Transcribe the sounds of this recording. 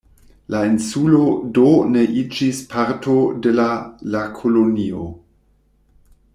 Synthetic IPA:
lainsulo̞done̞ʔid͡ʒispʰaɾtʰode̞lalakʰolonio̰

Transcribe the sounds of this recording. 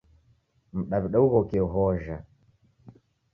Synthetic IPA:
m̩ɗaβiɗauɣɔkɛuɦɔʒa

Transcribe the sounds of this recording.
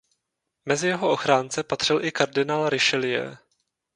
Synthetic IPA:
mɛzɪjɛɦo̞ʔo̞xɾaːnt͡sɛpat̪r̥ɪlʔɪkaɾdɪnaːlɾɪʃɛlɪjɛ̰

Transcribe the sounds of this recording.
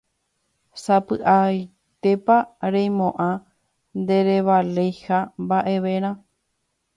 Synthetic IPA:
sapɨʔaj | t̪e̞paɾẽjmõʔã | nd̪e̞ɾeβale̞jhambaʔe̞ʋe̞ɾ̃ã

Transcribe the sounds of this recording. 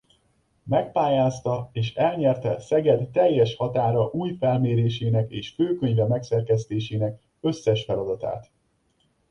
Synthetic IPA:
mɛk̚paːjaːst̪ɒeːʃɛlɲɛrt̪ɛsɛɡɛd̪ːɛjːɛʃhɒt̪aːɾɒʔuːjfɛlmeːɾeːʃeːnɛkeːʃføːkø̞ɲvɛmɛksɛrkɛst̪eːʃeːnɛk | ø̞sːɛʃfɛlɒd̪ɒt̪a̰ːt̪

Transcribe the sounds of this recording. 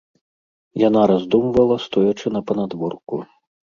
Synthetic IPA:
janaɾazd̪umvɐlˠɐst̪ɔjat͡ʂɨnɐpɐnad̪vɔrkṵ

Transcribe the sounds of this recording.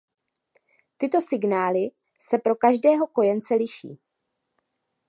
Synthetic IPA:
t̪ɪt̪o̞sɪɡnaːlɪ | sɛpɾo̞kaʒdɛːɦo̞ko̞jɛnt͡sɛlɪʃḭː

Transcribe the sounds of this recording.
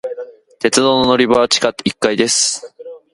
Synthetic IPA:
t̪e̞t͡sɨd̪o̞ːnono̞ɾʲibat͡ɕi̥kat̪ikːaid̪e̞sɨ̥

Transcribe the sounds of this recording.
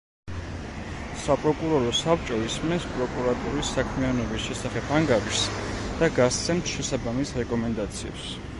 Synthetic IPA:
sapʼɾɔkʼuɾɔɾɔsapt͡ʃʼɔismɛspʼɾɔkʼuɾat̪ʼuɾisːakʰmianɔbisʃɛsaχɛbʰaŋɡaɾiʃsd̪̥aɡast̪sʰɛmt̪ʰʃɛsabamisɾɛkʼɔmɛnd̪at̪sʰiɛ̰ps

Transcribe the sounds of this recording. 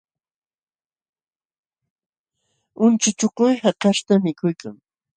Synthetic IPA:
ʊnt͡ʃʊt͡ʃoqʊjhakaʃt̪amɪkʊjkaŋ

